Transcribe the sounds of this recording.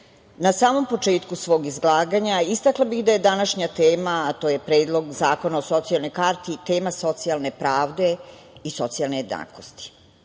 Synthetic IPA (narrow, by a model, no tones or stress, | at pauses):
nasaːmo̞mpo̞t͡ʂe̞ːt̪kusʋo̞ːɡizɡlˠaːɡaɲaist̪aklˠabixd̪aje̞d̪anaʃɲat̪eːmat̪oːje̞pɾe̞ːd̪lˠo̞ɡzaːko̞naoso̞t̪sialˠno̞jkaɾt̪it̪e̞ːmaso̞t̪sialˠne̞pɾaːʋd̪e̞ | iso̞t̪sijalˠneje̞d̪na̰ːko̞st̪i̥